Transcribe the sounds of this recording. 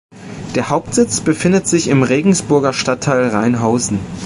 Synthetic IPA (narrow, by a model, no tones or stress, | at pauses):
d̥eːɐhaʊp̚tz̥ɪt͡sb̥əfɪndətz̥ɪçɪmʁeːɡŋ̩sb̥ʊɐɡɐʃtatʰːaɪlʁaɪnɦaʊzn̩